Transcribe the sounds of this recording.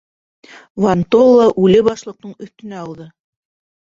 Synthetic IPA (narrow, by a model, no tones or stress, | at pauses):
vɐnt̪olˠːɑʔʉlɘbɑʃlˠɤ̆q̚nɤɴɵ̆θt̪ɵ̆næɑw̪ˠðɤ